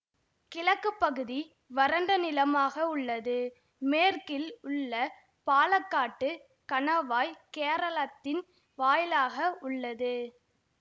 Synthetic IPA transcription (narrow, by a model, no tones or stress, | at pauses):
kɪlɐkːɯpːɐɣɯði | ʋɐɾɐɳɖɐnɪlɐmaːɣɐʊɭːɐðɯ | meːrkɪlʊɭːɐ | paːlɐkːaːʈːɯ | kɐɳɐʋaːjkeːɾɐɭɐt̪ːɪn | ʋaːjɪlaːɣɐʊɭːɐðɯ